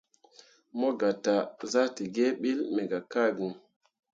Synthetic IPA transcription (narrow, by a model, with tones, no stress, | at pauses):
mo˦ɡa˨ta˨za˦ti˨ɡe˦ɓi˦lmɛ˨ɡa˨ka˦ɡi˨